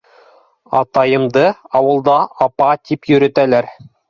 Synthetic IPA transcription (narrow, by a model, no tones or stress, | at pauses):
ɑt̪ɑjɤ̆md̪ɤɑwɤ̆lˠd̪ɑɑpɑt̪ʰipjɵ̆ɾɵ̆t̪ælæɾ